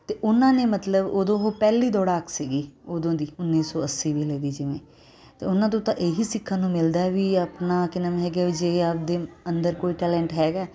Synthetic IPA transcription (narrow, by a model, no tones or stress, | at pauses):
t̪eːʔʊnãːneːmət̪ləboːd̪õːɦoːpɛːliːd̪ɔːɽaːksiːɡiːoːd̪õːd̪iːʊnːiːsɔːəsːiːbiːleːd̪iːd͡ʒɪʋẽː | t̪ḛːʊnãːt̪õːt̪ãʔeːɦisɪkʰːãːnũːmɪld̪aːɛʋiəpnaːkɪnəmɦɛːɡaːʋid͡ʒeːaːp̚d̪eːənd̪əɾkoːiːʈɛːlɛ̃ːɳʈɦɛːɡaː